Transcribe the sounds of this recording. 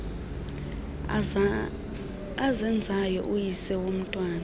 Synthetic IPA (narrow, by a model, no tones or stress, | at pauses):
azɛnd͡zʱajɔ̰ʔujisɛwom̩tʼwaːna